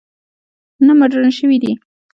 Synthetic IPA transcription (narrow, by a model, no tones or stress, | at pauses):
namaʈɾanʃəwid̪i